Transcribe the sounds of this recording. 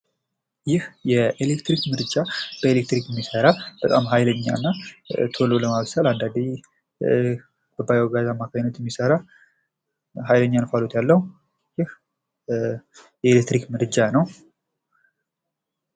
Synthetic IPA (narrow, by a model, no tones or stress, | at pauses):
jɪhjɛʔelekt̪ɾikmɨɾd͡ʒab̥əelek̚t̪ɾikɛmːisəɾab̥ət̪ʼamɦajləɲːa̰nːat̪ʰo̞lo̞ləmaβsaland̪ad̪i | bəbajawɡazamːakʰajnət̪jɛmːisəɾa | ɦajləɲːanfalot̪jalːəhu | jɪh | jɛelekt̪ɾikmɨɾɨd͡ʒanəw